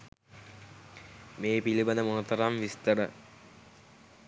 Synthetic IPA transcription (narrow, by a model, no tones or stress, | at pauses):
meːpilibənd̪əmonət̪ɐɾamʋist̪əɾə